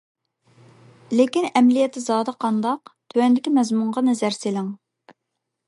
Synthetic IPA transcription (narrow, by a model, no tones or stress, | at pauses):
lekʲinɛmlijɛt̪ʰːɪzɑːd̪əqʰɑnd̪ɑqt̪ʰøwɛnd̪ɪkʲimɛzmuɴʁɑnɛzæɾselɪŋ